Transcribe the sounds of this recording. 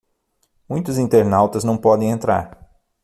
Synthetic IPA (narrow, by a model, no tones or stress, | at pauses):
mũj̃t̪ʊzĩnt̪eɾnawt̪ɐznɐ̃w̃pɔd̪ẽj̃ẽnt̪ɾa̰ɾ